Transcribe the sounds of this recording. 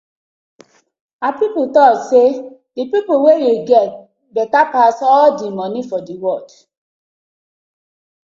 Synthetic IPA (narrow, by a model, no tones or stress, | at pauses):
apipotɔsedepipowejeɡɛt | bɛtapasɔɔdĩmɔ̃nĩfɔdewɔd